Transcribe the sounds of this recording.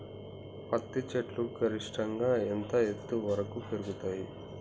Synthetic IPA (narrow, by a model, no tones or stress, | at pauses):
pɐt̪ːit͡ʃeʈluɡɐɾiʂʈɐŋɡaːent̪ɐet̪ːuʋɐɾɐkupeɾuɡut̪aːji